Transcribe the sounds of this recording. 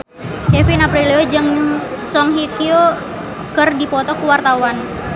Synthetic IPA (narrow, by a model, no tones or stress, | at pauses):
kefinapɾiliod͡ʒɨəŋsɔŋɦikio | kərdipɔt̪ɔkuwart̪awan